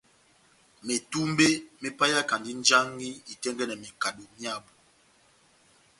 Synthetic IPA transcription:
me˨tu˦m˦be˦me˦pa˦ja˦ka˨ndi˦n˦d͡ʒa˦ŋɡi˦i˨tɛ˦ŋɡɛ˦nɛ˨me˨ka˨do˨mja˦˨bu˨

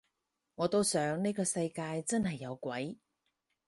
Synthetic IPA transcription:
ŋɔː˨˧t̪o˥wsœː˨˥ŋne˥kɔː˧sɐ˧jkaː˧jt͡sɐ˥nhɐ˨jːɐ˨˧wkʷɐ˨˥j

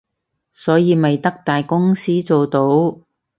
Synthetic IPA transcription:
sɔː˨˥jiː˨˧mɐ˨jt̪ɐ˥k̚t̪aː˨jkʊ˥ŋsiː˥t͡so˨wt̪o˨˥w

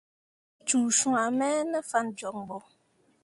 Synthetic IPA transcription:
t͡ʃuː˨ʃũ˦ŋa˨mɛː˦nə˦fa˦nd͡ʒɔ˨ŋbɔ˦

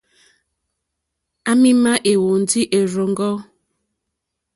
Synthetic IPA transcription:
a˦mɪ˦ma˦ʔe˨wo˨n̩˨dɪ˦ʔe˨ɾo˨ŋ̩˦ɡɔ˦

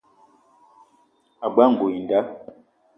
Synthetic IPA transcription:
a˨ɡ͡ba˦˨ŋ̩˨ɡo˨i˨n˨da˦

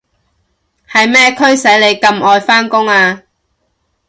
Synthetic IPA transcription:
hɐ˨jmɛː˥kʰɵ˥ɥsɐ˨˥jle˨˧jkɐ˧mʔɔː˨jfaː˥nkʊ˥ŋaː˧

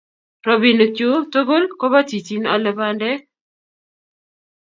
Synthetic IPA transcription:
ɾɔ˦bi˨nkjo˦to˦ɡo˦lkɔ˦βa˦ti˨t͡ʃi˦na˨lɛ˨ba˦ndɛ˦

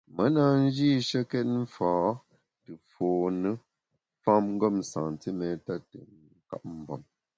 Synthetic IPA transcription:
mə˦na˦n̩˦d͡ʒi˦˨ʃə˦kɛ˦t̚m̩˦faː˨˦ | tɨ˨foː˨nə˦ | fa˦mŋ̩˦ɡɔ˦˨m˨sã˨ŋ˨ti˦mɛ˨˦ta˦˨tɨ˨˦ | ka̰˦p̚m̩˨bɔ˨m

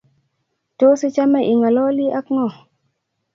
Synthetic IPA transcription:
to˦si˦t͡ʃa˦me˦˨ʔi˨ŋa˨lɔ˦li˦ʔa˦kŋɔ˦˨

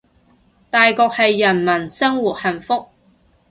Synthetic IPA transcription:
t̪aː˨jkɔː˧k̚hɐ˨jːɐ˨˩nmɐ˨˩nsɐ˥ŋwu˨t̚hɐ˨˩nfʊ˥k̚

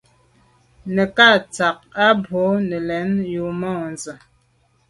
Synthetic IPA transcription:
nə˨ka˦˨t͡sa˨k̚a˦bo˨˦nɛ˨lɛ˨˦nju˨mɔ˦˨nzə˨

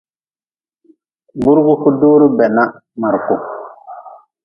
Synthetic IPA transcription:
bu˦ɾɡu˦hu˦doː˦ɾu˦bɛ˨na˦ | ma˨ɾkʊ˨

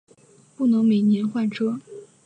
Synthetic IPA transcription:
pu˥˩nɤ˧˥ŋme˨˩njɛ˧˥nxwa˥˩nʈ͡ʂʰɤ˥

